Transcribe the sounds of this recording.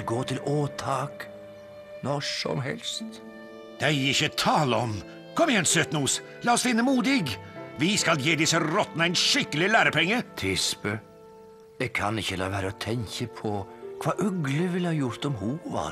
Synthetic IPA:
ɡoːt̪ʰɪloːt̪ʰɑːk | nɔʂɔ̰mɦɛ̰lst̪ | d̪̥æɪɪçːət̪ʰɑːləɔm | kʰɔmɪjɛnsøːt̪nuːs | lɑːɔsd̪ɪnːəmuːd̪ɪɡʋɪskɑljeːd̪ɪsəɾɔt̪ːnəæɪnʂɪkːəlɪlæːɾəpʰɛŋːət̪ʰɪspə | jɛɡkʰɑnɪçːəlɑ̰ːʋæːɾəɔt̪ʰɛŋçəpʰɔkʰʋɑːʔʉɡləʋɪlhɑːjʊɾt̪ɔmhuʋɑ̰

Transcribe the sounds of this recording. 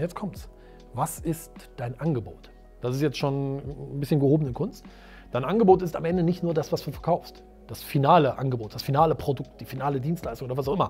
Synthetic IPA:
jɛt͡skʰɔmts | vasɪstd̥aɪnʔanɡəbo̰ːt | d̥asɪstjɛt͡stʃoːnbɪsçənɡəhoːbən̩ɪnkʰʊnst | d̥aɪnʔanɡəboːtɪsta̰mʔɛndənɪçtnuːɐdasv̥asd̥uːfɛɐkʰaʊfst | d̥asfinaːləʔa̰nɡəboːt̚d̥asfinaːləpʁ̥odʊk̚t̚d̥iːfinaːlədiːnstlaɪstʊŋoːdɐvasaʊxʔɪmɐ

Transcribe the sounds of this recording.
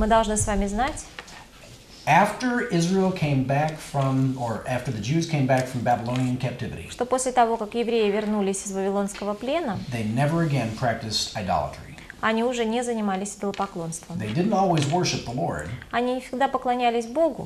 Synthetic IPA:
mɨd̪ɐlˠʐnɨsvamʲɪznatʲ | æftə˞ɪzɹilˠkʰẽɪ̃mbækfɹʌ̃mə˞ʔæftə˞ðɨd͡ʒʉz̥kʰẽɪ̃mbækfɹʌ̃mbæbɪlˠõʊ̃niɨ̃nkʰæp̚tʰɪvɪɾḭʂt̪o̞po̞sʲlʲɪt̪ɐvo̞kakjɪvɾʲejɪvʲɪrnulʲɪsʲɪzvəvʲɪlˠo̞nskəvəplʲe̞nəðeɪnɛvə˞ɨɡɛ̃npʰɹ̥æk̚tɨstaɪdɑ̰lˠə̰tɹ̥ḭ | ɐnʲiʊʐɛnʲɪzənʲɪmalʲɪsʲd̪əlˠəpɐklˠo̞nst̪vəmðeɪdɪdⁿn̩tɔlˠwizwɜ˞ʃɨp̚ðəlɔ̰ɹd̥ɐnʲinʲɪfsʲɪɡ̚d̪apəklˠɐnʲælʲɪsʲbo̞ɡʊ

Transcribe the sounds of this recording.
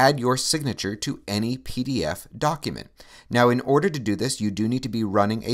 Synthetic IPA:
ædjə˞sɪɡ̚nɨt͡ʃə˞ɾɨɛnipʰiɾiɛ̰fd̥ɑkjɨmɨ̰̃nʔ | naʊɨ̃nɔɹɾə˞ɾɨdɨðɪsjɨdɨnid̚tʰɨbiɹʌnɪ̃ŋʔɨ̰

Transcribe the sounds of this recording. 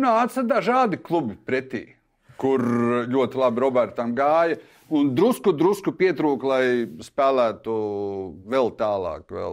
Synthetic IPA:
naat̪sad̪aʒaːd̪iklˠubipɾɛt̪ḭː | kuɾlʲuɔt̪ilˠabiɾɔbɛɾt̪ɐmɡaːjɐ | und̪ɾuskud̪ɾuskupiɛt̪ɾuːklˠajspæːlˠæːt̪u | vɛlˠt̪ɑːlˠɑ̰ːkʋɛ̰lˠ

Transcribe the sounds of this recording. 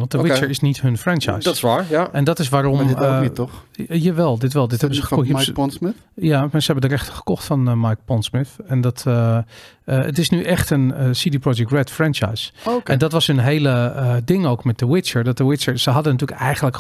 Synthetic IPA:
ʋɑntdəwɪt͡ʃəɹɪsnithɵnfrɛnt͡ʃa̰jstsʋaːɹʔɛndɔtɪs̬ʋaːrɔm | jaʋɛlˠdɪtʋɛlˠdɪthɛbəsəpɔnsɪ | jamasəhɛbəndərɛxtə̥χə̥kɔxtfɔnmajk̚pɔnsmɪθɛndɔtʰ | ə̰tɪsnyʔɛxtənəsidiprod͡ʒɛk̚tɹɛtfrɛnt͡ʃa̰jsoɛndɔtʋɑshənɦeːləədɪŋowkmɛt̚dəwɪt͡ʃəɹdɔt̚dəwɪt͡ʃəɹsəɦɑdənatyːəkɛjɣənlək

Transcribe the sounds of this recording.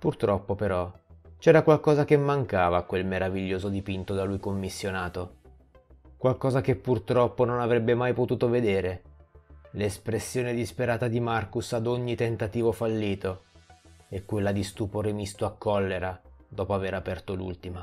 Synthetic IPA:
purt̪ɾɔpːopeɾɔt͡ʃɛːɾakwalkɔːzakemːaŋkaːvakwelmeɾaviʎːoːzod̪ipint̪od̪alujkomːisːjonaːt̪o | kwalkɔːzakepːurt̪ɾɔpːononavɾɛbːemajpot̪uːt̪oved̪eːɾe | lespɾesːjoːned̪ispeɾaːt̪ad̪imarkusad̪oɲːit̪ent̪at̪iːvofalːiːt̪o | ekːwelːad̪ist̪uːpoɾemist̪oakːɔlːeɾad̪ɔːpoaveɾapɛrt̪olṵlt̪ima

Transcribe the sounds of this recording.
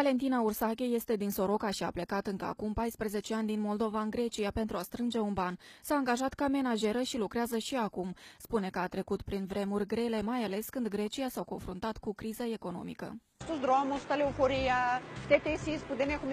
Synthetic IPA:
vale̞nt̪inaursakʲeje̞st̪e̞d̪inso̞ɾo̞kaʃia̰ple̞kat̪ɨŋkəa̰kumpajspɾeze̞t͡ʃe̞anʲd̪inmo̞ld̪o̞vaɨŋɡɾe̞t͡ʃiape̞nt̪ɾuast̪ɾɨnd͡ʒe̞unbansaːŋɡaʒat̪kame̞naʒe̞ɾəʃilukɾeazəʃiakumspune̞kəat̪ɾe̞kut̪pɾinvɾe̞murʲɡɾe̞le̞majale̞skɨnd̪ɡɾe̞t͡ʃiasawko̞̰nfɾunt̪at̪kukɾizəe̞ko̞no̞̰mḭkə̰ | st̪uzd̪ɾomust̪aleofoɾiat̪et̪esispud̪enekum

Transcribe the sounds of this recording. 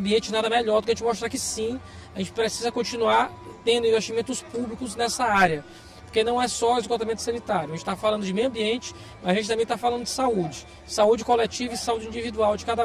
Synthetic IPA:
biẽnt͡ʃɪnad̪ɐmɛʎɔɾd̪ukɐʒẽt͡ʃɪmoʃt̪ɾakɪsĩ | aʒẽt͡ʃɪ̥pɾesizɐkõt͡ʃinuaɾ | t̪ẽnd̪ʊĩveʃt͡ʃimẽnt̪ʊspublikʊznɛsɐaɾjɐ | poɾkenɐ̃w̃ɛsɔezkot̪amẽnt̪ʊsɐ̃nit̪aɾjʊɐẽt͡ʃɪt̪afalɐ̃nd̪ʊd͡ʒɪmejwɐ̃mbiẽnt͡ʃɪ̥ | mɐzaʒẽt͡ʃɪt̪ɐ̃mẽj̃t̪afalɐ̃nd̪ʊd͡ʒɪ̥saud͡ʒɪ | saud͡ʒɪkolet͡ʃivɐɪsaud͡ʒĩd͡ʒivid̪uawd͡ʒɪkad̪ɐ

